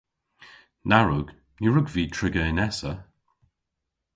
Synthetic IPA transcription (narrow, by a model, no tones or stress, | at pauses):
naɹʊɡ̥ | niɹʊɡviːtʰɹɪɡəɪnɛsə